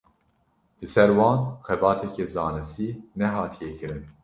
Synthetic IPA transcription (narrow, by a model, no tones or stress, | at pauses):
lɨsɛɾwɑːnxɛbɑːt̪ʰɛkezɑːnɨst̪iːnɛɦɑːt̪ʰijekɨɾɨn